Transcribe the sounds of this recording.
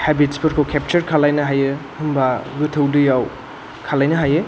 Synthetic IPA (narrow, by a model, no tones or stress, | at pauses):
hebitspʰɯɾkʰowkʰep̚t͡ʃɐɾkʰalajnɐɦajɯhɯmbaɡɯtʰɯwdɯjaw | kʰalajnɐɦajɯ